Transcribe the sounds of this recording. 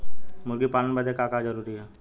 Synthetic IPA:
mʊɾɡipaːnənbəd̪ʱekaːkad͡ʒəɾuːɾiɦɛː

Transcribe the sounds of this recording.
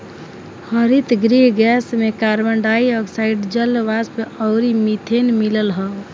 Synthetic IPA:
həɾit̪ɡɾiɦɡɛsmekaɾməɳɖaiɔksaiɖd͡ʒəlːʋaspeʔɔʊɾimit̪ʰenmiləlɦəl

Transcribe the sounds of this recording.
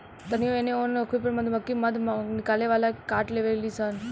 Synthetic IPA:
t̪ənioeneonəkʰupəɾməd̪ʱməkːiməd̪ʱmnɪkaleʋalakaʈleʋalisən

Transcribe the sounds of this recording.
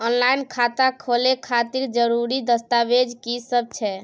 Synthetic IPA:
ɔnlajnkʰat̪akʰolekʰat̪iɾd͡ʒəɾuɾid̪əst̪abed͡ʒkisəb̚t͡ʃʰɛ

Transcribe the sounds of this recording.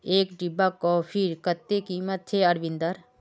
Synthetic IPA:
eːkɖɪbːakoːpʰiɾkət̪ːekiːmət̪ʰːeɐɾʋɪ̃nd̪əɾ

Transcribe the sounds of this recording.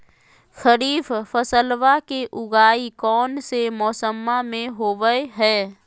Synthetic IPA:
xəɾiːffəsəlʋakeʔʊɡaːikɔːnsemɔːsəmːamẽɦoːʋəeɦɛː

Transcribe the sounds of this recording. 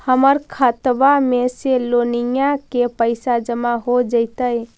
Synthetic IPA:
həməɾkʰət̪bameselonijakepəɪsad͡ʒəmaɦod͡ʒəɪt̪əj

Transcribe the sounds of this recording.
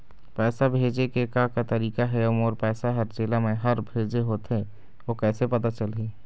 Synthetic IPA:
pɛːsabʱeːd͡ʒekekakat̪əɾiːkaɦɛəmoːɾpɛːsaɦəɾd͡ʒeːlamẽɦəɾbʱeːd͡ʒeɦoːt̪ɦe | okɛːsepət̪at͡ʃəlɦiː

